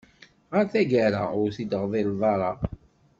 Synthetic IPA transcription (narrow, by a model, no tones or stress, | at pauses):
ʁəɾθæɡaɾa̰ʊɾθid̪əʁðˤilðˤɑɾˤɑ